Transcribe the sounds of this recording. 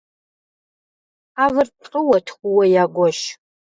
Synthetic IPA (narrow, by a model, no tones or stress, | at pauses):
aːvɨrpʰqʼəwɐtʰχʷʊwɐjaːɡʷɔʃ